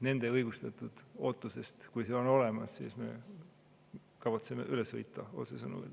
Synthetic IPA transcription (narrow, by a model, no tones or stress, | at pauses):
ne̞nd̪̥e̞ɤjɡ̥ust̪ɑt̪ˑud̪̥o̞ːt̪ːˑuse̞st̪kujse̞ːo̞no̞le̞mɑsːḭːsme̞̰ | kɑvɑt̪seme̞̰ʔyleshɤjt̪ːˑɑo̰t̪sesɤnṵḛl